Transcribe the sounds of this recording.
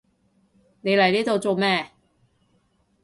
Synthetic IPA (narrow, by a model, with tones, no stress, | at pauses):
ne˨˧jlɐ˨˩jniː˥t̪o˨˧wt͡so˨˧wmɛː˥˩